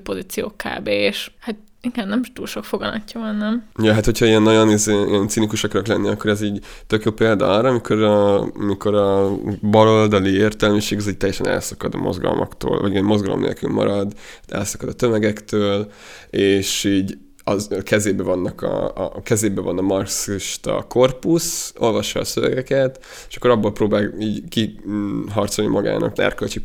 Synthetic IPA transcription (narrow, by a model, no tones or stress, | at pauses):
po̞zit̪sijo̰ːka̰ːbeːʃhat̪̚ | iɡɛ̃nːɛmt̪uːlʃo̞kfoɡɒnɒ̰cːɒvɒnːɛmujɛɦat̪ho̞cʰɒiɛnːɒɟo̞nizeḭɛnt̪sinikuʃɒkɒɾoklɛnːiɒkːoɾɛziːɟ | t̪økjoːpeːld̪ɒɒrɾɒːmikʰo̞ɾɒmiko̞ɾɒbɒlo̞ld̪ɒlieːrt̪ɛlmiʃeːɡɒziːɟ̚t̪ɛjːɛʃɛnɛ̰lsɒ̥kɒd̪ɒ̰mo̰zɡɒ̰lmʔɒ̰kt̪o̰ːlvɒ̰ɟiɛmmo̞zɡɒlo̰mnḛːlky̰lmɒ̰ɾɒd̪ɛ̰lsɒ̥kɒd̪ɒt̪ø̞mɛɡɛkt̪øːl | eːʃiːɟ | ɒkɛzeːbɛvɒnːɒkʰɒ̰kɛzeːbɛvɒnɒmɒrksiʃt̪ɒ̰ko̞rpuso̞lvɒʃːɒːsøvɛ̰ɡɛkɛt̪ | eːʃɒ̥kːɾɒbːolproːbaːliːɟkiɦɒrt̪so̞lnimʔɒɡa̰ːnʔɒ̰knɛ̰rkølt͡ʃi